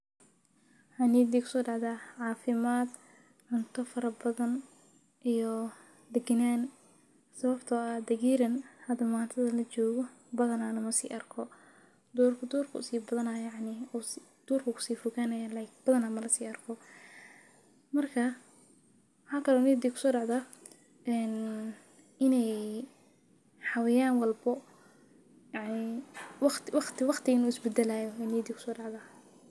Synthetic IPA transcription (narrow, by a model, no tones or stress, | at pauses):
ħaniːd̪ikʰʊ̥sɔːɖɑʕðaːʕɑːfɪmaːd̪ | ʕʊnt̪ʰɔfɐɾɐbɐðɐn | ʔijɔ | d̪ɛɡɐnaːn | sɐβɐbt̪ʰɔad̪ɐɣiːɾɐnhɐd̪ɐmaːnt̪ʰɐðɐlɐt͡ʃɔːɣɔ | bɐðɐnalɐmɐsḭːʔɐrkʰɔ | d̪uːrkʰɐd̪uːrkʰɐ̰siːbɐðɐnɐjjɑʕnɪd̪̥uːrkʰɐkʰʊ̥siːfɔɣaːnɐjaːlaːjkb̥ɐðɐnaːmɐlɐsiːɐrkʰɔ | mɐrkʰɐ | wwħaːkʰɐlɛuniːd̪ikʰʊ̥sɔːɖɑʕða | ɛn | ʔɪnɛj | ħɑwɛjaːnwɑlbɔ | jɑʕnɪwɑqt̪wɑqt̪ɪwɑqt̪ʰɪɪnuːɪsbɛd̪ɐlaːjɔɛniːd̪ikʰʊ̥sɔːɖɑʕðaː